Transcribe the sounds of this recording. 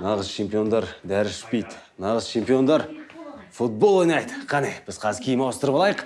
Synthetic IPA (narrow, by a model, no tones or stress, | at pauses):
nɑʁəzt͡ʃʰe̞mpio̞nd̪ɑɾd̪æɾɪʒʏ̥t̪̚pejd̪nɑʁəzt͡ʃʰe̞mpijo̞nd̪ɑɾfut̪̚bo̞lˠojnɑjd̪əqʰɑnebɪz̥qʰɑzəkʲʰejmɑwəst̪əɾəpɑlˠɑjəq